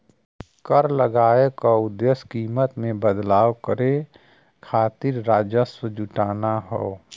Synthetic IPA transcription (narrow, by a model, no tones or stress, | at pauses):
kəɾləɡaːekaʊd̪əskiːmət̪mẽbəd̪laːwkəɾe | kʰaːt̪ɪɾːaːd͡ʒəsəd͡ʒʊʈaːnaɦoː